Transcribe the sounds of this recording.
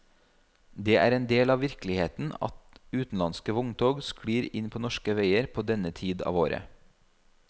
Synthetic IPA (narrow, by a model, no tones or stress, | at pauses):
d̪eːʔæ̰ːɾɛeːnd̪eːlɑːʋɪɾklɪheːt̪n̩ɑ̰t̪ʉːt̪n̩lɑnskəʋʊŋt̪ʰoːɡskɽiːɾɪnpʰoːnɔʃkəʋeɪəɾpʰoːd̪ɛnət̪ʰiːd̪ɑ̰ːʋo̰ːɾə̰